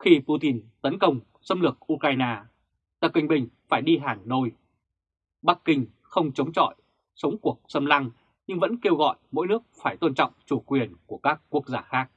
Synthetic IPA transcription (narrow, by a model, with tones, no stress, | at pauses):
xi˧pu˧t̪i˧nt̪ə˨˦nkə˧wŋ͡m | sə˧mlɨ˨˩ək̚ʔu˧kaː˧jnaː˧ | t̪ə˨˩p̚kï˨˩ŋ̟ɓï˨˩ŋ̟faː˧˩jɗi˧ɦaː˨˩ŋno˧j | ɓa˦˥kːï˧ŋ | xə˧wŋ͡mt͡ɕə˨˦wŋ͡mt͡ɕɔ̰˧˨j | sə˨˦wŋ͡mku˨˩ək̚sə˧mla˧ŋ | ɲɨ˧ŋvə̰˧˥nke˧wɣɔ̰˧˨jmo̰˧˥jnɨ˦˥ək̚faː˧˩jt̪o˧nt͡ɕɔ̰˧˨wŋ͡mt͡ɕu˧˩kwi˨˩ənku˧˩əkaː˦˥kːu˦˥ək̚zaː˧˩xaː˦˥k̚